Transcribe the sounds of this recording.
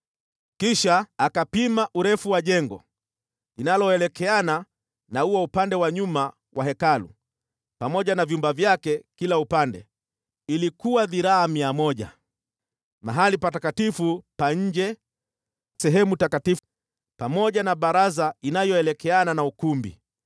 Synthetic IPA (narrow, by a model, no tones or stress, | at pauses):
kiʃaːkapimaʔuɾɛfuwaʄɛŋɡɔ̰ | linalɔɛlɛkɛana | nahuaupandɛwaɲuma | wʔaɦɛkalṵ | pamɔʄanavjumbavjakɛkilaupandɛ̰ | ilikuwaðiɾaamiamɔʄa̰ | maɦalipatakatifupaɲ̩d͡ʒɛ | sɛɦɛmutakatif | pamɔʄanaɓaɾazainajɔɛlɛkɛananaukumbḭ